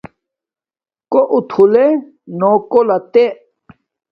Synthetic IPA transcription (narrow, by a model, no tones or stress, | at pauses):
koʔut̪ʰule | nokolat̪eʔ